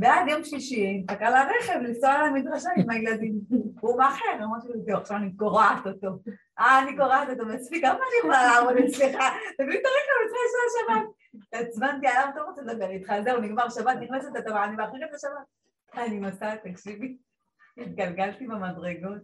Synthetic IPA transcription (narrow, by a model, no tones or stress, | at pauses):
bead̪jomʃliʃiakalaʁeχevlisoalamid̪ʁaʃaimailad̪imumaχeʁamaʃeteaχʃavanikoʁaʕat̪ot̪o̞ | ʔaːnikoʁaʕat̪ot̪omaspikamaːnimaamod̪et͡sleχat̪amit̪aʁikamit͡svaasaaʃabat̪̚ | at͡smant̪ialamt̪oʁot͡st̪d̪abeʁit̪χalzeuniɡmaʁʃabat̪niχnasot̪at̪avaanibaaχʁikafaʃabat̪̚ | animasat̪akʃivi | it̪̚ɡalɡalt̪ibemadʁeɡot̪̚